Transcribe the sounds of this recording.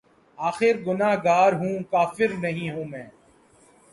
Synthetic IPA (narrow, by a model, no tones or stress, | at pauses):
aːxɪɾɡʊnaːɦɡaːɾɦũːkaːfɪɾnəɦĩɦũːmɛ̃ː